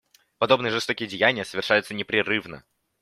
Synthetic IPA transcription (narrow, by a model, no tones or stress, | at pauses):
pɐd̪o̞bnɨjəʐɨst̪o̞kʲɪjədʲɪjænʲɪjəsəvʲɪrʂajʊt̪sənʲɪpɾʲɪrɨvnə̰